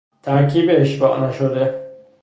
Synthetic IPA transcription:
t̪ʰæɾkʰiːbeːʃbɒ̰ːʔnæʃod̪e

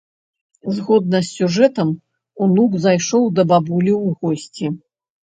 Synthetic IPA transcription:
zɣɔd̪̚nɐsʲːuʐɛt̪ɐm | unukzajʂɔwd̪ɐbabulʲiwɣɔsʲt͡sʲi

